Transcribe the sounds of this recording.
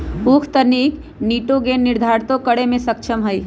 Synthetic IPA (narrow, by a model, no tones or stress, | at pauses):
ukʰt̪ənik | niʈoɡenːiɾd̪ʱaɾt̪õkəɽemẽsək̚t͡ʃʰəmɦəj